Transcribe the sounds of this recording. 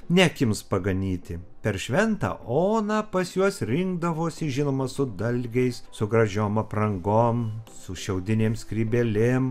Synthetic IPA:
nʲækʲɪmspɐɡɐnʲiːt̪ʲɪpʲɛɾʃʲʋʲɛnt̪ɑ̰ːoːnɑːpɐsjuɔsɾʲɪŋɡd̪ɐʋoːsʲɪʒʲɪnoːmɐsʊd̪ɐlʲɡʲɛɪssʊɡɾɐʒʲoːmɐpɾɐŋɡoːmsʊʃʲɛʊd̪ʲɪnʲeːmskɾʲiːbʲɛlʲɪm

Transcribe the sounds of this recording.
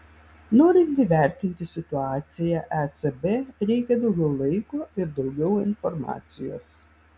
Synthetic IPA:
noːɾʲɪnʲt̪ʲiʋʲæˑɾʲt̪ʲɪnʲt̪ʲɪsʲɪt̪ʊɑːt̪sʲɪjɛʔɛt̪sebeɾʲɛɪkʲɛd̪ɐʊɡʲɛʊlˠɐɪkoɪɾd̪ɐʊɡʲɛʊɪnfɔɾmɑ̰ːt̪sʲɪjo̰ːs

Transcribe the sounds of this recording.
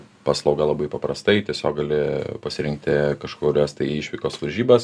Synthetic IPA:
pɑːslˠɐʊɡɐlˠɐbɐɪpɐpɾɐst̪ɐɪt̪ʲiɛsʲoːkɡɐlʲɪpɐsʲɪɾʲɪŋk̚t̪ʲɪkɐʃkoːɾʲoːst̪ɐɪɪʃʲʋʲɪkoːsʋɐɾʲʒʲiːbɐs

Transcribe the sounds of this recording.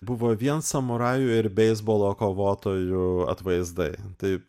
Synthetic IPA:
bʊʋoːʋʲiɛnsɐmʊɾɑːjʊːɪɾbʲɛɪzboːlˠoːkoːʋoːt̪oːjʊɐ̰t̪ʋɐɪzd̪ɐɪt̪ɐɪ

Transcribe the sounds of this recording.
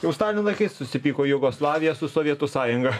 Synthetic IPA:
jɛʊst̪ɑːlʲɪnʲɪlˠɐɪkɐɪssʊsʲɪpʲiːkoːjʊɡoːslˠɑːʋʲɪjɛsʊsoːʋʲiɛt̪ʊsɑːjʊŋɡɐ

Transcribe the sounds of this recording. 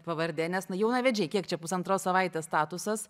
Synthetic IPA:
pɐʋɐɾʲd̪ʲeːnʲɛsnʊjɛʊnɑːʋʲɛd͡ʒʲɛɪkʲiɛkt͡ʃʲɛpʊsɐnt̪ɾoːssɐʋɐɪt̪ʲeːst̪ɑːt̪ʊsɐs

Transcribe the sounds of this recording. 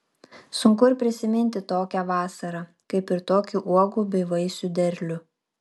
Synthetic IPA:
sʊŋkʊɪɾpʲɾʲɪsʲɪmʲɪnʲt̪ʲɪt̪oːkʲæʋɑːsɐɾɐ | kɐɪpɪɾt̪oːkʲuʔuɔɡuːbʲɛɪʋɐɪsʲʊd̪ʲɛɾʲlʲʊ

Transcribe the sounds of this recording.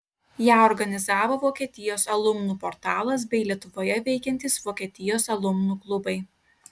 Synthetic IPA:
jæːɔɾɡɐnʲɪzɑːʋoːʋoːkʲiɛt̪ʲɪjoːsɐlˠʊmnuːpɔɾt̪ɑːlˠɐs̬bʲɛɪlʲiɛt̪ʊʋoːjɛʋʲɛɪkʲɛnʲt̪ʲɪsʋoːkʲiɛt̪ʲɪjoːsɐlˠʊmnuːklˠʊbɐɪ

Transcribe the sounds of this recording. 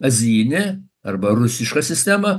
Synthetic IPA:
ɐzʲiːnʲɛ | ɐɾbɐɾʊsʲɪʃkɐsʲɪsʲt̪ʲɛmɐ

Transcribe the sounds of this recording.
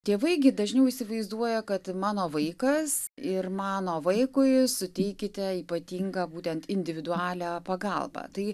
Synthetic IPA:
t̪ʲeːʋɐɪɡʲɪd̪ɐʒʲnʲɛʊɪsʲɪʋɐɪzd̪uɔjɛkɐt̪mɑːnoːʋɐɪkɐsɪrmɑːnoːʋɐɪkʊɪsʊt̪ʲɛɪkʲɪt̪ʲɛiːpɐt̪ʲiːŋɡɐːbuːt̪ʲɛnt̪ɪnʲd̪ʲɪʋʲɪd̪ʊɑːlʲæːpɐɡɐlˠbɐ̰t̪ɐɪ

